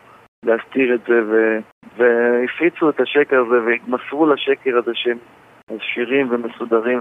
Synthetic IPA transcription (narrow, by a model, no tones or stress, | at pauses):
least̪iʁetze̞ve | veifʁit͡suet̪aʃekeʁazeveitmasvulaʃe̞keʁazeʃem | azʃiʁimvemesud̪aʁim